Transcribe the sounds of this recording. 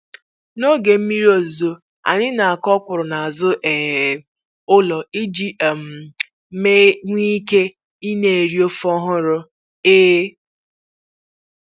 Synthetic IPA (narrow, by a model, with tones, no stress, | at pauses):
no˦ɡe˨m̩˦mi˦ɾi˦o˨zo˦ | a̰˨ɲɪ˦na˨a˨kɔ˦kʷʊ˨ɾʊ˨na˨a˨zʊ˦ʔe˨ | ʊ˦lɔ˨i˦d͡ʒi˦˨m̩˨ | me˦ŋʷi˦ke˦ | i˦ne˦˨e˨ɾi˦o˦fɔ˦ɦʊ˦ɾʊ˦ | eː˦